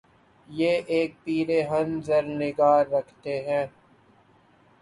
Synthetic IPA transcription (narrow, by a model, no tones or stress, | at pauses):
jeːʔeːk̚piːɾeɦɐ̃nzɐɾnɪɡaːɾːɐkʰt̪eɦɛ̃ː